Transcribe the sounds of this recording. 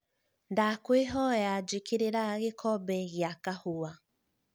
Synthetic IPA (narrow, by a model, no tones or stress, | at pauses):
ndakweɦɔjad͡ʒikʰeɾeɾaɣekʰɔbɛɣjakahoa